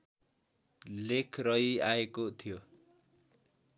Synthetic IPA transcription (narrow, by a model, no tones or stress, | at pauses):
lekʰrʌiaekot̪ʰijo